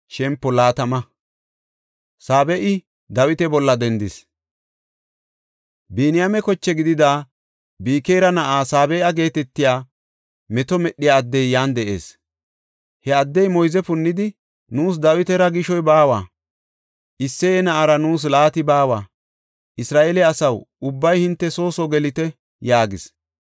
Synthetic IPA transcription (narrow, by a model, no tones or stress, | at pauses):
ʃɛmpːɔlaːt̪ɐmɐ | saːbɛʔɪ | d̪ɐwɪt̪ɛbɔlːɐd̪ɛnd̪ɪs | biːnɪjamɛkɔt͡ʃːɛɡɪd̪ɪd̪aː | biːkeːɾɐnɐʔaːsaːbɛjɐɡe̞ːt̪ɛt̪ːɪjaː | mɛt̪ɔmɛɗːɪjaːd̪ːɛjːaːnd̪ɛʔe̞̰ːs | hɛɐd̪ːɛjmɔjzɛpʊnːɪd̪ɪ | nuːs̬d̪ɐwɪt̪ɛɾɐɡɪʃɔjbaːwaː | ʔɪsːeɛnɐʔaɾɐnuːs̬laːt̪ɪbaːwaː | ʔɪsɾaːʔelɛɐsɐwʊbːɐjhɪnt̪ːɛso̞ːsɔɡɛlɪt̪ɛ | jaːɡɪs